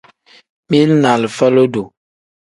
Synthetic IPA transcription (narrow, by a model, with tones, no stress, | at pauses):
mi˦lna˨lfɛ˦lo˦do˨